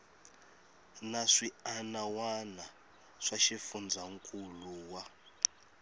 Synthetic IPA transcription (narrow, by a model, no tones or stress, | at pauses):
naʂianawana | ʂaʃifund͡zaŋkʼuluwa